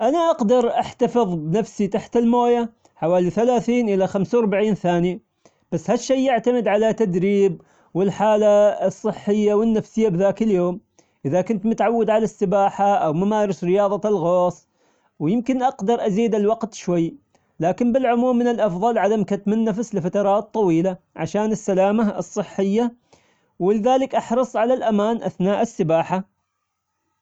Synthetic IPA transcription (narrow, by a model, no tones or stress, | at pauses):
ʔanaʔɑqd̪ɑɾˤʔaħt̪afɨðˤbɪnafsit̪aħt̪ɪlmoːja | ħawaːliθalaːθiːnʔɪlaxamsawɾbaʕiːnθaːnji | b̥asːhaʃːajjɪʕt̪amɪd̪ʕalat̪ːad̪ɾiːb | wɪlħaːlasˤːɨħːɪjːawɪnːafsɪjːabðaːkɪljoːm | ʔɪðakʊnt̪mʊt̪ʕawːad̪ʕalasːɪbaːħaʔawmamaːɾˤɑsɾɪjɑːðˤɑlɣɑːsˤ | wjɪmkɪnʔɑqd̪ɑɾˤʔaziːd̪ɪlwɑqt̪ʃwajː | laːkɪmbɪlʕʊmuːmːɪnɪlʔɑfðˤɑlʕad̪amkat̪mɪnːafslɪfat̪ɑɾˤɑːt̪ˤːɑwiːlaʕaʃaːnɪsːalaːmaɨsˤːɨħːɪjːa | wɪlɪðaːlɪkʔɑħɾˤɨsˤʕalalʔamaːnʔa̰θnaːʔɪsːɪbaːħa